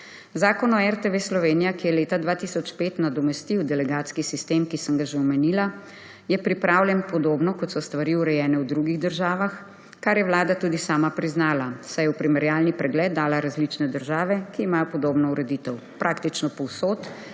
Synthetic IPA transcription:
zaːkɔnɔɛɾt̪eʋeslɔʋeːnijakijɛleːt̪ad̪ʋat̪isɔt͡ʃpeːt̪nad̪ɔmɛst̪iwd̪ɛlɛɡaːt̪skisist̪eːmkisəŋɡaʒeɔmɛniːla | jɛpɾipɾaːwljɛnpɔd̪oːbnɔkɔt̪sɔst̪ʋaɾiuɾɛjɛːnɛwd̪ɾuɡiɣd̪əɾʒaːʋax | kaɾjɛwlaːd̪at̪uːd̪isaːmapɾiznaːlasajɛupɾimɛɾjaːlnipɾɛɡlɛːd̪̚d̪aːlaɾazlit͡ʃnɛd̪əɾʒaːʋɛkiːmaːjɔpɔd̪oːbnɔuɾɛd̪it̪ɛw | pɾʔakt̪it͡ʃnɔpɔwsoːt̪

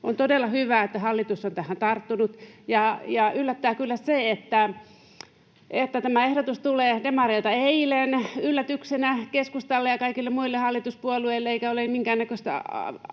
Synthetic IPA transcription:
ont̪odelːɑhyʋæːˑet̪ːæhɑlːit̪usːont̪æhænt̪ɑrt̪ːunut̪jɑjɑylːæt̪ːæːkylːæseet̪ːæ | ʔet̪ːæt̪æmæehdot̪ust̪uleːdemɑreit̪ɑeilenylːæt̪yksenækeskust̪ɑlːejɑkɑikilːemmuilːehɑlːit̪uspuolueilːeeikæolemiŋkæːnːækøst̪æ̰ɑ̰

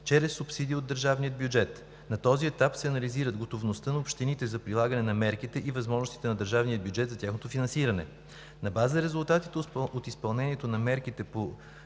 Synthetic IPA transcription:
t͡ʃɛɾɛsːupsid̪iːod̪ːəɾʒavnijəd̪̚bjud͡ʒɛt̪ | nɐt̪ɔziɛt̪apsɛɐnɐliziɾəd̪ɡot̪ovnost̪ənɐopʃt̪init̪ɛzɐpɾilˠaɡənɛnɐmɛɾkit̪ɛʔivɐzmɔʒnost̪i̥t̪ɛnɐd̪əɾʒavnijəd̪̚bjʊd͡ʒɛt̪zɐt̪ʲjaxnot̪ofinɐnsiɾənɛ | nɐbazəɾɛzulˠt̪at̪it̪ɛot̪ispɐlˠnɛnʲiɛt̪onɐmɛɾkit̪ɛpo

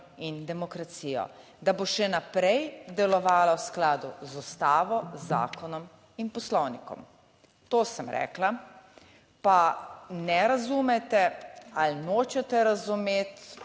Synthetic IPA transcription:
ind̪ɛmɔkɾat̪siːjɔ̰ | d̪aboʃɛnapɾɛjd̪ɛlɔʋaːlawsklaːd̪ṵzust̪aːʋɔzːa̰ːkɔnɔm | inpɔslɔwnikɔ̰m | t̪oːsəmɾɛ̰ːkla | panɛɾazumɛt̪ɛalnoːt͡ʃɛt̪ɛɾazumeːt̪

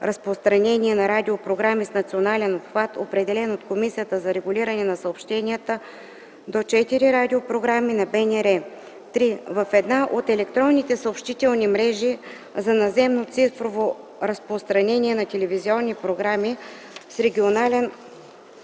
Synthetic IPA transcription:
ɾɐspɾost̪ɾɐnɛniɛnɐɾad̪ʲiopɾoɡɾamisnɐt̪sionalɛnopxvat̪opɾɛd̪ɛlɛnot̪komisijət̪əzɐɾɛɡulʲiɾənɛnɐsəopʃt̪ɛnijət̪ə | d̪ot͡ʃɛt̪iɾiɾad̪iopɾoɡɾaminɐbɛnɛɾɛ | t̪ɾivəfɛd̪naʔot̪ɛlɛkt̪ɾɔnːit̪ɛsəopʃt̪it̪ɛlˠnimɾɛʒi | zɐnɐzɛmnot̪sifɾovo | ɾɐspɾost̪ɾɐnɛnʲiɛnɐt̪ʲɛlɛviziɔnːipɾoɡɾami | sɾɛɡʲionalɛn

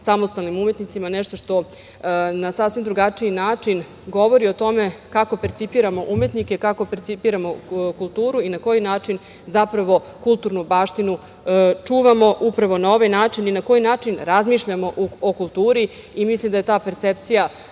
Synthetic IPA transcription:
samo̞st̪alˠnimumet̪nit̪simaneʃt̪oʂt̪o̞ | nasasʋimd̪ɾuɡat͡ʂiinaːt͡ʂin | ɡo̞ʋo̞ɾio̞t̪o̞me̞kako̞peɾt̪sipiːɾamo̞ʔume̞t̪nikekako̞peɾt̪sipiɾamo̞kulˠt̪uːɾuinako̞jinaːt͡ʂin | zapɾaʋo̞ | kulˠt̪uɾnubaːʃt̪inu | t͡ʂuːʋamo̞ʔupɾaʋo̞nao̞ʋajnaːt͡ʂininako̞jinaːt͡ʂinɾazmiːʃʎamo̞ʔuokulˠt̪uːɾi | imislˠimd̪aje̞t̪aːpeɾt̪sep̚t̪sija

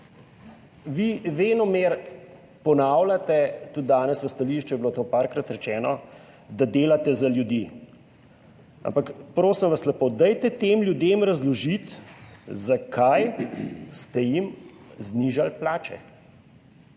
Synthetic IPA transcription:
ʋiʋeːnɔmeɾ | pɔnawlʲat̪ɛt̪ud̪̚d̪aːnɛsʋɐst̪aliʃt͡ʃɛblot̪oːpaɾkɾat̪ɾɛt͡ʃɛːnɔ | d̪ad̪eːlat̪ɛzaljud̪iː | a̰mpakpɾoːsimʋaslɛpod̪ajt̪ɛt̪emlʲjud̪emɾazlɔʒit̪zakʰajst̪ɛjimzniʒalplaːt͡ʃɛ̰

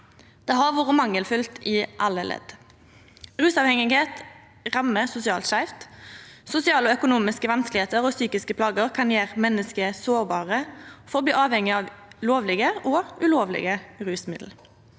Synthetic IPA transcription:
d̪̥eːhɑʁʋuːʁəmɑŋːəlfʉlt̪ʰiʔɑləlɛ̰d̪̥ | ʁʉːsɑːʋhɛŋɪɡheːt̪ | ʁɑməsʊsɪɑːlt̪ʃæɪft̪sʊsɪɑːlɔœkʊnuːmɪskəʋɑnsklɪheːt̪əʁɔːsyːkɪskəpʰlɑːɡəʁkʰɑnjeːʁmɛnːəskəsoːʁbɑːʁəfɔʁb̪yːʔɑːʋhɛŋɪɑːʋloːʋlɪɡəʔɔːʉloːʋlɪ̰ɡəʁʉːsmɪd̪l̩

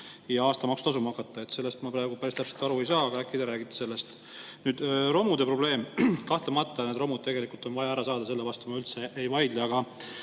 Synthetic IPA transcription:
jɑɑːst̪ɑmɑkst̪ɑsumɑkˑːɑt̪ːˑɑe̞t̪se̞lːe̞st̪mɑpɾɑːɡupæɾist̪æpse̞lt̪ɑɾue̞jsɑːɑɡ̥ɑækːˑid̪eɾæːɡ̥it̪ːˑɑ̥se̞lːest̪ | nyːd̪̥ro̞mud̪e̞pro̞ble̞ːmkɑht̪lemɑt̪ːˑɑned̪ro̞mud̪̚t̪e̞ɡe̞likˑult̪o̞nvɑjɑæɾɑsɑːd̪ɑs̬e̞lːevɑst̪umɑylt̪se̞ʔejvɑjd̪̥lɑɑɡ̥ɑ

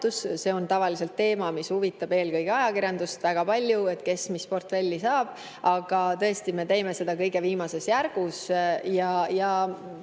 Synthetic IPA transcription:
t̪usse̞o̞nt̪ɑvɑlise̞lt̪ːe̞ːmɑmishuvit̪ːˑɑb̥e̞ːlkɤjɡ̥eɑjɑkiɾjɑnd̪̥ust̪væɡ̥ɑpɑlʲjue̞t̪̚ːˑke̞smispo̞rt̪fe̞lʲːisɑːb̥̚ | ɑɡ̥ɑt̪ɤ̞e̞st̪ime̞t̪e̞jme̞se̞d̪̥ɑkɤjɡe̞viːmɑse̞sjærɡ̥usjɑjɑ

